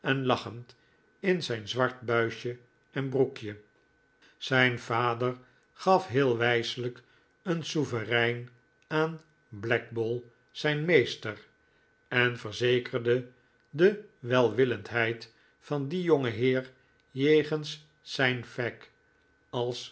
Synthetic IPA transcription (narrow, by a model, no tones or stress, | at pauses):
ɛnlɑχənt | ɪnzɛjnzʋɑɹtbœɥʃə | ɛnbrukjə | sɛjnv̥aːdəɹ | χɑfɦɪːlˠʋɛjsələk | ənsuvərɛjn | aːn | blɛk̚bolˠ | z̥ɛjnmejstər | ɛnfəɹzejkərdə | dəʋɛlˠʋɪləntɦɛjt | fɑndijoŋəɦɪːɹ | jejχəns | sɛjnfɛk | ɑlˠs